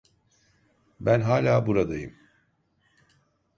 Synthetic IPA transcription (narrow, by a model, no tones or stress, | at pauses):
bænɦaːlʲaːbuɾad̪ajɯm